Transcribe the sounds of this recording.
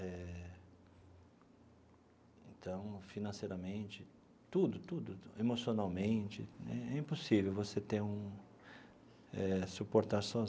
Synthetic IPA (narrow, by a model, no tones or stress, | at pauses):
ɛ | ẽnt̪ɐ̃w̃finɐ̃sejɾɐmẽt͡ʃɪ | t̪ud̪ʊt̪ud̪ʊemosionawmẽt͡ʃɪ̰ɛ̰ɛĩpusivewvoset̪ẽũ | ɛsupoɾt̪aɾsɔz